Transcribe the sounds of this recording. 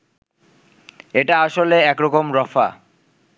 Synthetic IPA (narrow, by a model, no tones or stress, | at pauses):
eʈaaʃoleɛkɾɔkomɾɔfa̰